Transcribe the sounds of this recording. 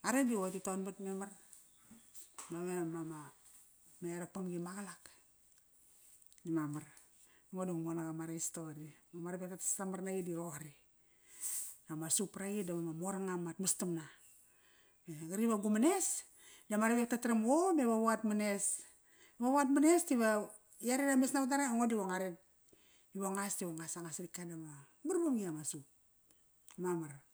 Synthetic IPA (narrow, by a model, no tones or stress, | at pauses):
aɾediotitonbatmemar | damemama | meɾak̚pamɡimaɡalak | nimamaɾ | amoduŋmonaɡamaɾaistodimamaɾabek̚tatasamaɾnaɡidiɾohaɾi | namasupɾaɡidamemamoɾaŋamatmastamna | meɡaɾiβaɡumane̞s | damaɾepek̚tatɾamomeβaβuatmane̞s | βaβuat̬manestiβa | jaɾinamesnaβat̬aɾaaŋodiβoŋaɾet | iβoŋastiβoŋasaŋasɾikadaβa | maɾboŋiamasup̚ | mamaɾ